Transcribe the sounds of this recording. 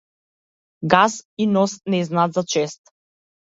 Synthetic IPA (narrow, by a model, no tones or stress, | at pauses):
ɡasinɔsnɛznaːt̪zat͡ʃɛst̪